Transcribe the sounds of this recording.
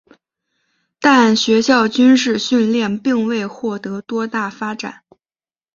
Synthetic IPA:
t̪a˥˩nɕɥɛ˧˥ɕjɑ˥˩ʊt͡ɕy˥nʂɻ̩˥˧ɕy˥˧nljɛ˥˧npi˥˧ŋwe˥˧ɪxwɔ˥˩t̪ɤ˧˥t̪wɔ˥t̪a˥˩fa˥ʈ͡ʂa̰˨˩˦n

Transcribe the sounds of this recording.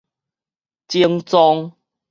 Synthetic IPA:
t͡ɕi˦˧əŋt͡sɔ˧ŋ

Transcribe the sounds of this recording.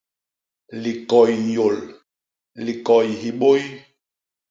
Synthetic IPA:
li˨kɔ˨jjo˨l | li˨kɔ˨jhi˨ɓo˦j

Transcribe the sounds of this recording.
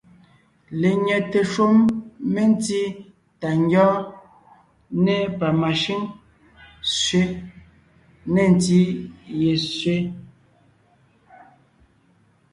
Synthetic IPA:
le˨ɲɛ˨te˨ʃo˦mːe˦n˦ti˦ | ta˨ŋ˦ɡjɔː˦ | ne˦pa˨ma˨ʃi˦ŋ | sɥe˦ | ne˨n˨ti˦je˨sɥe˦

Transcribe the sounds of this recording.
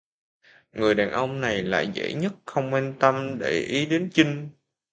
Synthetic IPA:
ŋɨ˨˩əjɗaː˨˩nʔə˧wŋ͡mna˨˩jla̰ː˧˨jzḛ˧˥ɲə˦˥t̚xə˧wŋ͡mkwɛ˧nt̪ə˧mɗe˧˩ʔi˨˦ɗe˨˦nt͡ɕï˧ŋ̟

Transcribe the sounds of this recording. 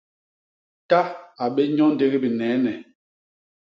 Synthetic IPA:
ta˦a˨ɓe˦ɲɔ˦n˦de˦ɣi˦bi˨nɛː˨˦nɛ˨

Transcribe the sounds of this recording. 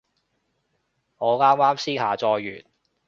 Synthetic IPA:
ŋɔː˨˧kaː˥nwaː˥msiː˥ɦaː˨t͡sɔː˧jːy̰ː˨˩t̚

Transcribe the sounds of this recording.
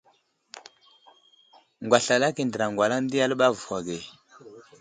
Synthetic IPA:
ŋɡwa˨ɬa˨la˦ki˨ndə˨ɾa˨ŋɡwa˨la˦n˦di˦ja˦lɓa˦vu˨wa˨ɡe˨

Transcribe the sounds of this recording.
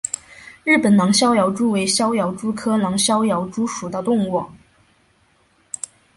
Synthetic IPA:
ɻɻ̩˥˩pə˨˩nnɑ˧˥ŋɕjɑ˥ʊjɑ˧˥ʊʈ͡ʂu˥we˧˥ɪɕjɑ˥ʊjɑ˧˥ʊʈ͡ʂu˥kʰɤ˥nɑ˧˥ŋɕjɑ˥ʊjɑ˧˥ʊʈ͡ʂu˥ʂu˨˩d̪ə˦t̪ʊ˥˧ŋwɔ˥˩

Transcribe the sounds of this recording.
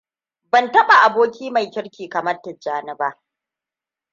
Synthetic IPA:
bɐ˨ntɐ˦ɓa˨ʔa˨boː˦kʲiː˦ma˨jkʲɪ˦ɽkʲiː˨kɐ˨mɐ˦rtːɪ˨d͡ʒaː˦nɪ˦baː˦ʔ

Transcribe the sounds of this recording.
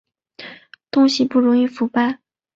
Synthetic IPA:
t̪ʊ˥ŋɕi˥˧pu˥˩ɻʊ˧˥ŋi˥˩fu˧˥pa˥˩ɪ

